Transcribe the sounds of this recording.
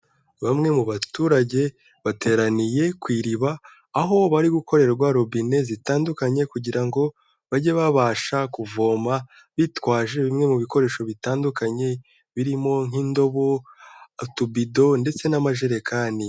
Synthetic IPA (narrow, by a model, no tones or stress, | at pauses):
βamŋe̞muβatuːɾaɟe̞ | βatʰe̞ːɾanije̞kwiːɾiβaː | ɦo̞βaɾiɡuko̞ɾe̞ɾaɾɡwaɾo̞bine̞zitaːndukaɲe̞kuɟiɾaŋɡo̞ | βaɟeβaβaːʃakuvo̞ːma | βitwaːʒe̞βimŋe̞muβiko̞ɾe̞ːʃo̞βitaːndukaɲe̞ | βiɾimo̞ŋhiːndo̞βo̞ | tubido̞nde̞t͡se̞namaʒe̞ɾe̞kʰaːni